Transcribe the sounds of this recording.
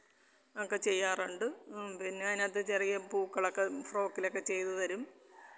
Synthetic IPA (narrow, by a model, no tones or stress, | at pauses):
ɐkːet͡ɕejːaːruɳɖɨpinːeɐinɐt̪ːet͡ɕerijɐmpuːkːɐɭokːefro̞ːkːilokːet͡ɕe̞jt̪ɐðɐɾum